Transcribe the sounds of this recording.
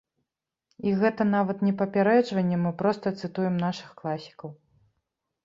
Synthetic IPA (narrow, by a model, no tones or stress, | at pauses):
iɣɛt̪ɐn̪avɐt̪nʲɛpɐpʲaɾɛd͡ʐvɐnʲːɛmɨpɾɔst̪ɐt̪sɨt̪ujɛmnaʂɨxklˠasʲi̥kɐw